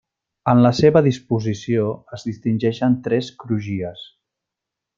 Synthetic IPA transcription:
ənləseβəðispuzisioəzðist̪inʲʒɛʃənt̪ɾɛskɾuʒiəs

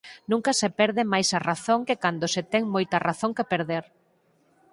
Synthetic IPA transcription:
nũŋkɐsepɛɾðɪmajsaraθoŋkekand̪oset̪ɛŋmojt̪ɐraθoŋkepeɾðeɾ

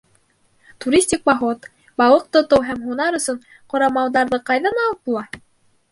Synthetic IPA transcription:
t̪uɾʲisʲtʲik̚bɑɦot̪ | bɑwˠɤq̚t̪ŏt̪owɦæmɦunɑɾɵ̆sɵɴ | qŏɾɑmɑwðɑɾðɤqɑjðɑnɑlˠɤt̪̚bulˠɑ

